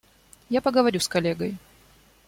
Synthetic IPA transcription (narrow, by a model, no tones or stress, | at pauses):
japəɡəvɐɾʲuskɐlʲeɡəj